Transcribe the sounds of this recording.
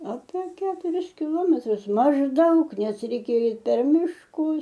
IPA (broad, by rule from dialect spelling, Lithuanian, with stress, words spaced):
ɐpʲɛ ˈkʲæːtʊrʲɪs kʲɪˈlˠoːmʲɛtrʊs mɐʒˈdɐʊk ˈnʲɛs rʲɛɪˈkʲeːjɛ ˈɛɪt pʲɛr mʲɪʃˈkʊs